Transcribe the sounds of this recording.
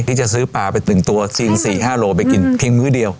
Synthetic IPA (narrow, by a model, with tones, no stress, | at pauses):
i˧˩t͡ɕɔ˧˩sɨ˨˦paː˧˩va˧˨˩t̪ɨ˨˧˩ŋt̪u˨˩əsi˧nsi˧˩haː˧˩lo˧˩ɓe˨˧˩ki˧˩ŋt̪ʰi˧nŋɨ˨˦ɗi˨əw